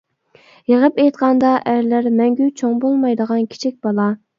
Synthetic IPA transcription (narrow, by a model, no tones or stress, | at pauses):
jeʁəpejt̪̚qʰɑnd̪ɑʔæɾlæɾmɛŋɡʲyt͡ʃʰoŋbolˠmɑjd̪əʁɑnkʲʰi̥t͡ʃʰik̚ʲb̥ɑlˠɑ